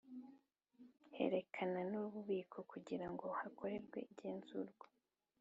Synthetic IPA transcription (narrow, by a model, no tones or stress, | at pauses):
he̞̰ɾe̞kʰananuβuβiːkʰo̞kuɟiɾaŋɡo̞hakʰo̞ɾe̞ɾɡwe̞̰ʔiɟeːnzuɾɡwḁ